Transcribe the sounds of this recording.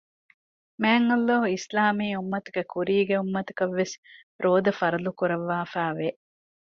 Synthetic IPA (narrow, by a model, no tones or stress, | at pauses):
mæːŋɐlːoɦuislaːmiːumːɐt̪u̥kekuɾiːɡeumːɐt̪u̥kɐʋːes | ɾoːd̪ɐfɐɾɐlukuɾɐʋːaːfæːʋeʔ